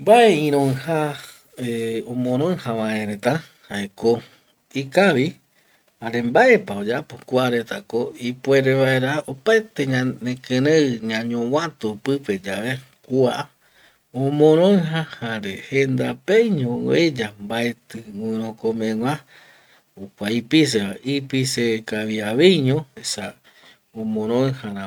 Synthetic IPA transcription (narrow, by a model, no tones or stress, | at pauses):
mbaeĩɾ̃õha | eõmõɾ̃õɰhãβaẽɾet̪a | haeko | ikaʋi | haɾe̞mbae̞paod͡ʒapokuaɾe̞t̪akoipweɾeβaeɾaopaet̪eɲanẽkɨ̃ɾẽɨɲãɲõwãt̪upɨpe̞d͡ʒaʋe | kua | õmõɾ̃õɨ̃ɦãhaɾehend̪apejɲõ̰ed͡ʒambae̞t̪ɨŋʷĩɾ̃õkõmẽŋʷã | ukʷaipis̬eβaipisekaʋiaʋejɲõesa | õmõɾ̃õɨ̃hãɾã